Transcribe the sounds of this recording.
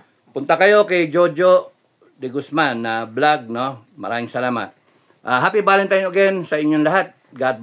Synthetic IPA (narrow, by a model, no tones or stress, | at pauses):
pʊnt̪ɐkɐjo̞kɐjd͡ʒod͡ʒo | d̪ɪɡʊsmanːɐblaɡ̚no | mɐ̰ɾaːmɪŋsɐlaːmɐ̰t̪̚ | ʔaɦaːpibaːlɪnt̪ajmɐɡɛnsɐɪɲːoŋlɐɦat̪̚ | ɡad̪̚